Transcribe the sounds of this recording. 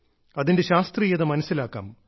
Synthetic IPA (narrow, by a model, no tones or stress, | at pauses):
ɐðinde̞ɕaːst̪rijɐðɐmɐnɐsːilaːkːa̰ːm